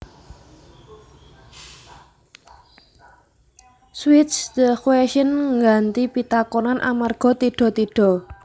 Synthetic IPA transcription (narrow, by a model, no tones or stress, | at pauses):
swɪt̪sd̪əkweʃənŋɡant̪ipit̪akonanʔa̰marɡ̥ɔ̤t̪iɖ̥ɔ̤t̪iɖ̥ɔ̤